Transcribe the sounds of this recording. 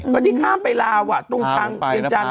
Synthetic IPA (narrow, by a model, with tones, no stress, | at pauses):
kɔ˧˩t̪iː˦˥˩kʰaː˥˩pa˧jlaː˧wʔa˨˩t̪u˧ŋkʰa˧ŋpi˧nt͡ɕa˧n